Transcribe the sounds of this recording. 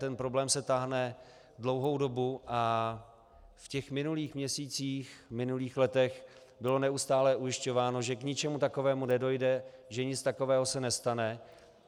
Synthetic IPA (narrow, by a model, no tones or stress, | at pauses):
t̪ɛnpɾo̞blɛːmsɛt̪aːɦnɛ | dlo̞wɦowdo̞buʔa | fcɛxmɪnuliːxmɲɛsiːt͡siːxmɪnuliːxlɛt̪ɛx | bɪlo̞nɛust̪aːlɛʔujɪʃco̞vaːno̞ʒɛkɲɪt͡ʃɛmut̪ako̞vɛːmunɛdo̞jdɛʒɛɲɪt͡st̪akovɛːɦosɛnɛst̪anɛ